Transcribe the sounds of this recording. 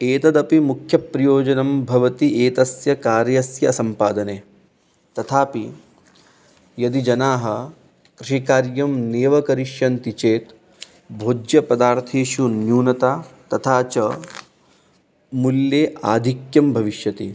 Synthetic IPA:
eːt̪ɐd̪ɐpimukʰjɐpɾɐjoːd͡ʒɐnɐmbʱɐʋɐt̪iʔeːt̪ɐsjɐkaːɾjɐsjɐsɐmpaːd̪ɐneː | t̪ɐt̪ʰaːpi | jɐd̪id͡ʒɐnaːɦɐ̆ | kɾiʃikaːɾjɐmneːʋɐkɐɾiʃjɐnt̪it͡ʃeːt̪ | bʱoːd͡ʒjɐpɐd̪aːɾt̪ʰeːʃunjuːnɐt̪aːt̪ɐt̪ʰaːt͡ʃɐ | muljeːaːd̪ʱikjɐmbʱɐʋiʃjɐt̪i

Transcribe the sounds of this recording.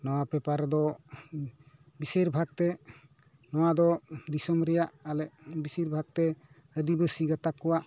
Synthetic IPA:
nɔwapɛpaɾd̪ɔ | biseɾbʱaɡ̚t̪ɛ | nɔwad̪ɔd̪isɔmɾɛjaʔalɛʔbisiɾbʱaɡ̚t̪ɛ | əd̪ibəsiɡat̪akːɔwaʔ

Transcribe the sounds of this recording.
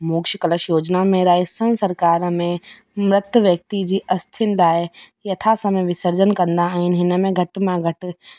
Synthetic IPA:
muːkʃɪkɐləʃjoːd͡ʑnamẽɾaːɪsə̃sɐɾkaːɾmẽ | mɾɪt̪əʋjɐk̚t̪id͡ʑiːʔɐst̪ʰɪnlaːejɐt̪ʰasɐ̃mẽʋɪsəɾd͡ʑənkɐ̃nd̪aːɦɪnɦɪnəmẽɡʱɐʈmãɡʱɐʈ

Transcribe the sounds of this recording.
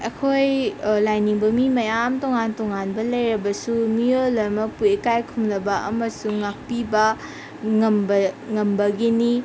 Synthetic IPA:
ɐkʰojlajniŋbɐmimɐjamtoŋantoŋanbɐlɐjɾɐbɐsumiolɐɾmɐpuekajkʰumlɐbɐʔɐmɐsuŋːak̚pibɐ | ŋɐmbɐŋɐmbɐɡini

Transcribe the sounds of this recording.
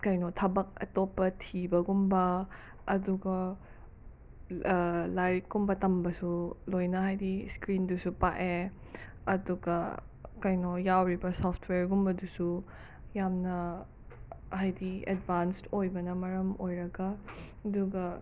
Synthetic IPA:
kajnotʰɐbɐk̚ɐ̰topːɐtʰibɐɡumbɐ | ɐduɡɐ | lajɾkɡumbɐtɐmbɐsulojnɐɦajdiskɾindusupa̰ʔe | ɐduɡɐ | kajnojawɾibɐsɔpʰtʰweɾɡumbɐdusu | jamnɐ | hajdiḛdbanstojbɐnɐmɐɾɐmojɾɐɡɐ | ɐduɡɐ

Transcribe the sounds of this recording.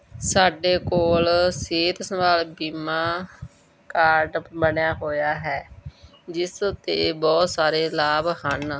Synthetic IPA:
saːɖeːkoːlseːt̪səmaːlbiːmãː | kaːɾɖbəɳjaːɦoːjaːɦɛː | d͡ʒɪsʊt̪ːebɔːt̪saːɾeːlaːbhən

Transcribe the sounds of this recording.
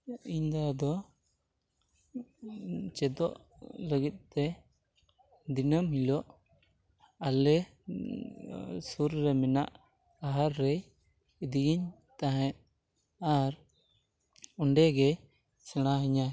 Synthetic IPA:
iɲd̪ad̪ɔ | t͡ʃɛd̪ɔʔ | ləɡit̪̚t̪ɛ | d̪inəmhilɔʔ | alɛ | suɾːɛmɛna̰ʔ | aɦaɾːɛj | id̪iɡiɲ | t̪ãɦɛ̃t̪̚ | aɾ | ɔɳɖɛɡɛ | sɛɽ̃aɦɛɲa

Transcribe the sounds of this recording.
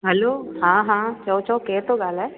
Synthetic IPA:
ɦɛloːɦãːɦãːt͡ʃəot͡ʃəkɛt̪oɡaːlɛː

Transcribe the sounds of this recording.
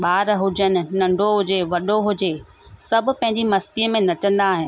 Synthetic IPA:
ɓaːɾɦʊd͡ʑənɪ̆nɐ̃ɳɖʱoɦʊd͡ʑeʋɐɗoɦʊd͡ʑe | sɐbʱʊ̆pɐ̃ɦɪ̃ɲ̆d͡ʑimɐst̪iəmẽnɐt͡ɕə̃nd̪aːɦɪ̃nɪ̆

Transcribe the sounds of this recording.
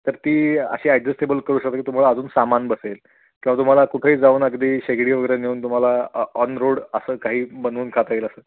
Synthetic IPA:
t̪əɾt̪iːə̰ɕiːaɖd͡zəsʈebəlkəɾuːɕək̚t̪akit̪um̤alaəd͡zuːnsamanbəsel | kĩʋat̪um̤alakuʈʰeiːd͡zauːnəɡd̪iːɕeɡɽiʋəɡəɾəneuːnt̪um̤alaɔnɾoɽəsəːkaɦiːbənuːnkʰat̪ailəsəː

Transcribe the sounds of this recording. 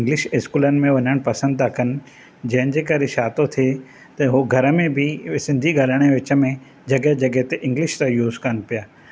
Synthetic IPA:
ɪ̃ŋɡlɪʃɪskuːlənɪ̆mẽʋɐɲəɽ̃pɐsə̃nd̪akɐnɪ̆ | d͡ʑɐ̃ɦɪ̃nɪ̆d͡ʑeːkaɾɪʃaːt̪ot̪ʰie | t̪ɐɦoɡʱɐɾəmẽbʱɪsɪ̃nd̪ʱiɠaːləɽ̃eʋɪt͡ɕə̆mẽ | d͡ʑɐɡəɦd͡ʑɐɡəɦt̪eʔɪ̃ŋɡlɪʃt̪ajuːzkanpijaː

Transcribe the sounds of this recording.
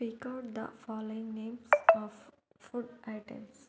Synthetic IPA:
pikaʊʈ̚d̪ə̰fɔːloɪ̃ŋnẽːmsɔffuɖʔaɪʈḛ̃ms

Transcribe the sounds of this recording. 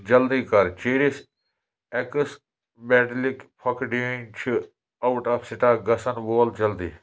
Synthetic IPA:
d͡ʒɐld̪iːkɐɾt͡ʃeːɾis | ekɨs | bɛːʈlikpʰɐkɖint͡ʃʰi | ɐwʈɐpʰsɪʈaːɡɐsɐnboːld͡ʒɐld̪ḭː

